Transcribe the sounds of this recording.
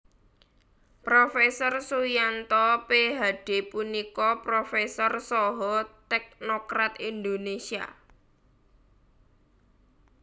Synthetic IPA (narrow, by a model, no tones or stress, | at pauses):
pɾofɛsɔrsujant̪ɔpeɦaɖ̥e̤punikɔpɾofɛsɔrsɔɦɔt̪ɛk̚nokɾat̪ind̪onesia̰